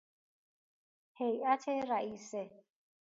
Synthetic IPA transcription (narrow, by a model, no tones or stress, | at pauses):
hejatʰɛɾaʔiːsɛ